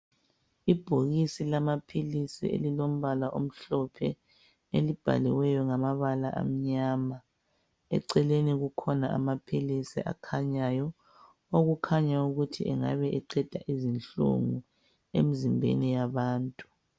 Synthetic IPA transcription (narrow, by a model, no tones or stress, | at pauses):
ib̥ʱoɣisilamapʰilisḭḛlilom̩βalaʔom̩ɬɔpʰɛ | elib̥ʱa̰liwɛjɔŋamaβala̰ʔa̰m̩ɲaːma | ɛ̰ǀɛleniɣukʰɔnaʔa̰mapʰilisiʔa̰kʰaɲajɔ | oɣukʰaɲauɣutʰiʔɛŋa̰βɛʔɛǀɛd̥ʱaʔizinɬṵŋu | ḛmizimbʱḛnijaβaːntʼu